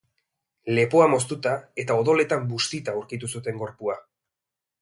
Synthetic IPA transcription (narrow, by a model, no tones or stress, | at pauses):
le̞poamo̞st̪ut̪ae̞t̪ao̞ðo̞le̞t̪ambust̪it̪auɾkit̪usut̪e̞ŋɡo̞ɾpua